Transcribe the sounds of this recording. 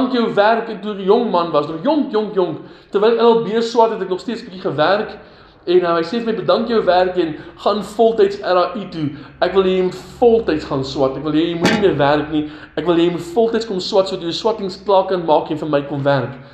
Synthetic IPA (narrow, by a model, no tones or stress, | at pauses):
ŋkjəwværkɛk̚tuɾijɔŋmɐnvɐsnɔχjɔŋkjɔŋkjɔŋk | tərvɛjlkɛnɐlˠbiərswɐtɦɛtæknɔχstiətsbikiχəværk | ɛnəɦəjseːfəməjbədɐŋkjəwværkɛnχɑːnfɔlˠtəjtsɛɾɑːʔituʔækvəlˠjəjmutfɔlˠtɛjtsχɑːnswɐtækvəlˠɦjijəjmutnimiərværkni | ʔækvəlˠjɛjmutfɔlˠtəjtskɔmswɐtsuədɐtjəswɐtəŋsklɑːkɐnmɑːkɛnfənməjkɔmværk